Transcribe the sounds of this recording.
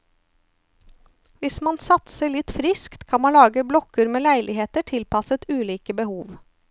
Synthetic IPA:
ʋɪsmɑnsɑt̪səɭɪt̪fɾɪskt̪kʰɑnmɑnlɑːɡəblɔkəɾmeːlæɪlʔɪheːt̪əʈʰɪlpɑsət̪ʉːliːkəbəhuːʋ

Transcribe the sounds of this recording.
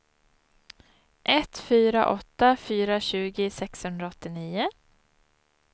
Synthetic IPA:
ʔɛt̪fyːɾa̰ʔɔt̪ːafyːɾaɕʉ̟ːɡɪsɛkshɵnd̪ɾaɔt̪ːɪniːʊ

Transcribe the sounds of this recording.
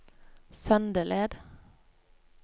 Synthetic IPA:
sœnd̪əleːd̪

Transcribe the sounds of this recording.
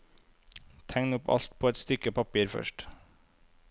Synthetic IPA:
t̪ʰæŋnʊpɑ̰lt̪̚pʰoːɛt̪st̪ʏkəpʰɑpiːɾfœ̰ʃʈ

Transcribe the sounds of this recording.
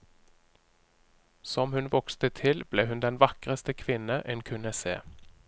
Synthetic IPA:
sɔmhʉnʋɔkst̪ət̪ʰɪlbleːhʉnd̪ɛnʋɑkʁəst̪əkʰʋɪnəʔɛnkʰʉnəsḛː

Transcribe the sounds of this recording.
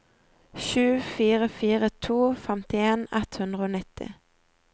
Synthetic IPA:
ʃʉːfiːʁəfiːʁət̪ʰuːfɛmt̪ɪeːnɛt̪hʉnd̪ʁəoːnɪt̪ɪ̰

